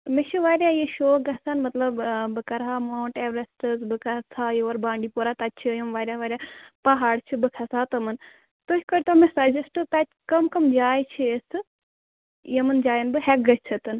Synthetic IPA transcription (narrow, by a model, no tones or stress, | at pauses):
mit͡ʃʰiʋaːɾʲjaːjiʃoːɡɐsɐnmɐt̪lɐbbɨkɐɾɦaːmaːɳʈeːʋɾɐsʈɨzbɨkɐsaːjeɐɾbãːɳɖiːpoːɾat̪ɐt͡ʃʰijɐmʋaːɾʲjaʋaːɾʲjapɐɦaːɽt͡ʃʰibɨkʰɐsaːt̪ɐmɐn | t̪oɦʲkɐɾʲt̪omesɐd͡ʒɐsʈɨt̪ɐt͡ʃ | kɐmkɐmd͡ʒaːjt͡ʃʰiesɨ | jemɨnd͡ʒaːjinbɨɦɛk̚ɡɐt͡ʃt͡ʃʰɐt̪ɨn